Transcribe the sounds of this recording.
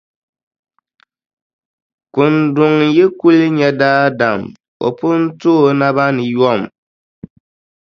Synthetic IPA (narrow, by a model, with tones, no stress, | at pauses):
kʊ˨ndʊ˨ŋ̩˨jɛ˦ku˦lɪ˦ɲɛ˦daː˦da˨m | o̰˨pʊ˦n̩˦toː˦˨na˦βa˦nɨ˨jɔ˦˨m˨